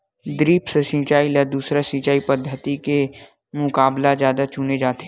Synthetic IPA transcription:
d̪ɾiːpsəsɪ̃t͡ʃaːilɛːd̪uːsɾasɪ̃t͡ʃaːipəd̪ʱːət̪ike | mʊkaːblazjaːd̪at͡ʃʊned͡ʒaːt̪e

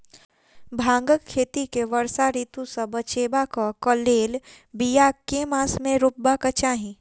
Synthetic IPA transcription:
bʱãːŋɡəkʰːeːt̪ikeʋəɾsaɾiːt̪ũsɐbət͡ʃeːbakakəleːl | bijakeːmaːsmẽɾʊbːakət͡ʃaːɦĩ

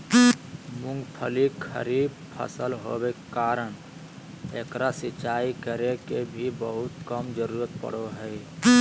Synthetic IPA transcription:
mʊ̃ŋɡpʰəlikʰə̰ɾib | pʰə̰səlɦo̰bekkaːɾəɳ̃ | eːkɾasɪt͡ʃaːikəɾekebʱibəɦʊt̪kəmd͡ʒəɾuːɾət̪̚pə̰ɽ̤oɦəɪ

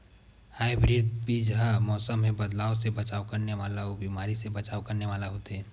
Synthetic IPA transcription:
haːibɾɪd̪biːd͡ʒɦamɔːsəmːẽbɐd̪laːosebɐt͡ʃaːwkɐɾneʋaːlaobiːmaːɾisebɐt͡ʃaːwkɐɾneʋaːlaɦoːt̪ɛː

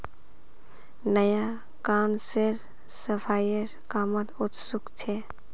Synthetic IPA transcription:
nəja | kawnseɾ | səpʰajeɾkamət̪ut̪sukt͡ʃʰɛ

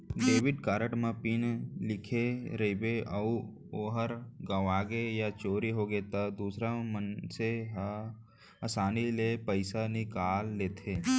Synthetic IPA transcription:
ɖeːʋɪɖkaːɾəʈmãpɪnlɪkʰeɾɐibeʔɐu | oːɦəɾɡəʋaːɡejat͡ʃoːɾiɦoɡet̪ad̪uːsɾamənseɦ | ɐsaːnilepəɪsanɪkaːlːeːt̪ʰeː

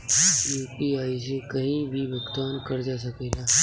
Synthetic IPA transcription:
juːpiaisẽkəɦĩbʱiʋjəkt̪ʋaːnkəɾd͡ʒas̬əkelaː

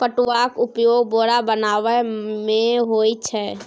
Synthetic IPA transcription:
pəʈʊwakʊpjoːɡboɽabənaːʋɛmẽɦoːit͡ʃʰɛ

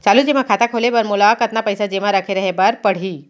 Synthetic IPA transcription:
t͡ʃaːlud͡ʒemãkʰat̪akʰolebəɾmolakət̪napəjsad͡ʒemãɾəkʰeɾəɦebəɾpəɽ̤i

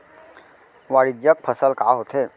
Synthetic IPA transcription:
ʋaːɽɪd͡ʒjək̚pʰəsəlkaːɦot̪eː

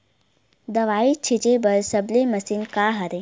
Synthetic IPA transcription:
d̪ɐʋaːit͡ʃʰit͡ʃebɐlsɐblemɐsinkaːɦɐɾe

